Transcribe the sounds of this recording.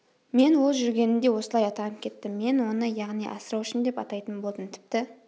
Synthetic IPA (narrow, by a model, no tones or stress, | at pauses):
me̞nwo̞lˠʒʏɾɡʲe̞nɪnd̪e̞wo̞səlˠɑjɑt̪ɑnəpkʲʰe̞t̪ːɪmːe̞nwo̞nəjɑʁnijʔɑ̰səɾɑwʏʃɪnd̪e̞pɑt̪ɑjt̪ənbo̞lˠd̪ənt̪ʰɪ̥p̚t̪ɪ